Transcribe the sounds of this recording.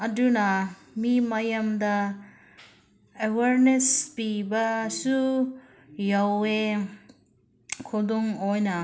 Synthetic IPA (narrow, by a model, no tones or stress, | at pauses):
ɐdunɐ | mimajamd̪ɐ | eweɾnespibɐsu | jawe | kʰɔd̪ɔŋojna